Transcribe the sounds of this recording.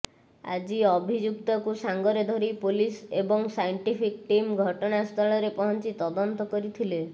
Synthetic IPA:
a̰d͡ʒiɔbʱid͡ʒukt̪ɔkusaŋɡɔɾed̪ʱɔɾipulisebɔŋsajɳʈipʰikʈimɡʱɔʈɔɽast̪ʰɔɭɔɾepɔɦɔnt͡ʃit̪ɔd̪ɔnt̪ɔkɔɾit̪ʰile

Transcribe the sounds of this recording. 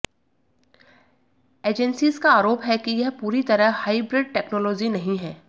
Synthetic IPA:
eːd͡ʒɛnsizkaaːɾoːpɦɛkijɛɦpuːɾit̪ɐɾəɦhaːibɾɪɖ̚ʈɛːknɔːlɔːd͡ʒinɐɦĩɦɛː

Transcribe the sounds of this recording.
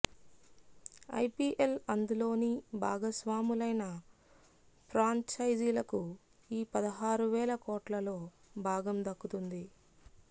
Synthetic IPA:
ɐ̰jpiʔelɐnd̪ulo̞ːnibʱa̰ːɡɐsʋaːmulɐjnɐ | pʰɾaːɲt͡ʃɐjd͡ʒiːlɐku | iːpɐd̪ɐɦaːɾuʋɛːlɐkɔːʈlɐlo̞ː | bʱaːɡɐmd̪ɐkːut̪und̪i

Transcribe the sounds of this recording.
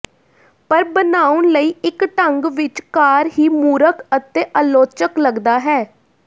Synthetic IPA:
pəɾbənaːʊɳləiːɪkʈəŋɡʋɪt͡ʃkaːɾɦiːmuːɾəkət̪eːʔəːloːt͡ʃəkləɡd̪aːɦɛː

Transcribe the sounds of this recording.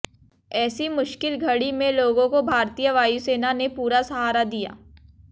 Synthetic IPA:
ɛːsimʊʃkɪlɡʱɐɽimẽloːɡõkobʱaːɾt̪ijəʋaːjuseːnanepuːɾasɐɦaːɾad̪ija̰ː

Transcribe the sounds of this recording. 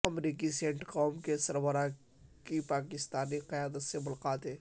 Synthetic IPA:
ɐmɾiːk̬isẽːɳʈkɔːmkesɐɾbəɾa | kipaːkɪst̪aːniqɪjaːd̪ət̪semʊlaqaːt̪ɦeː

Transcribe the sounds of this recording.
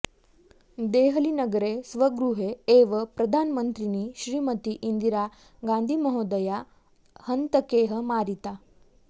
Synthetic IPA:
d̪eɦəlinəɡɾesʋəɡɾuɦeeʋəpɾɐd̪ʱanmənt̪ɾiniːɕɾiːmət̪iʔind̪iɾa | ɡãnd̪ʱiməɦod̪əja | hənt̪əkeɦəmaɾit̪a

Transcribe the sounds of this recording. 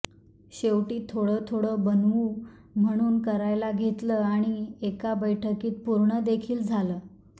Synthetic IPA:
ɕewʈiːt̪ʰːoɽət̪ʰoɽəːbənu | m̤əɽ̃uːnkəɾajlaɡʱet̪ləːaɽ̃iekabəjʈʰəkiːt̪̚puɾɳəd̪ekʰiːld͡zʱaləː

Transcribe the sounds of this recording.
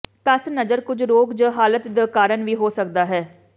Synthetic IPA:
pɛsnəd͡ʒəɾkʊd͡ʒɾoːkd͡ʒaːɦaːlət̪d̪əkaːɾənʋiːɦoːsək̚d̪aːɦɛː

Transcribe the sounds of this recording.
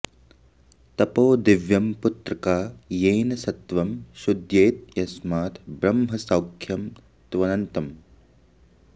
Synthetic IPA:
t̪ɐpoːd̪iʋjɐmput̪ɾɐkaːjeːnɐsɐt̪ʋɐmʃud̪jeːt̪̚jɐsmaːt̪ʰbɾɐmɦɐsɐwkʰjɐm | t̪ʋɐnɐnt̪ɐm

